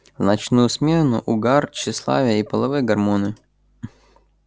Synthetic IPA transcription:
wnɐt͡ʃnusʲmʲɛnʊ̰ʔʊɡɑrt͡ʃɪslˠɑ̰ʋʲijɐipɐlˠɐʋɪɡɐrmɔnɪj

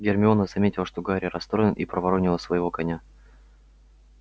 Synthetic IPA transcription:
ɡʲɪrmʲɪo̞nəzɐmʲetʲɪlˠəʂt̪oɡaɾʲɪrɐst̪ɾoɪnʔipɾəvɐɾonʲɪlˠəsvəjɪvo̞kɐnʲa

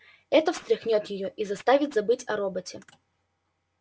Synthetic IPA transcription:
ɛt̪əfst̪ɾʲɪxnʲot̪jɪjoʔizɐst̪avʲɪt̪zɐbɨtʲɐ̰ɾobətʲɪ

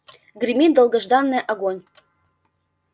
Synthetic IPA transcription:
ɡrʲimʲid̪əlˠɡə̆ʒd̪ɑnːeʔɑɡonʲ

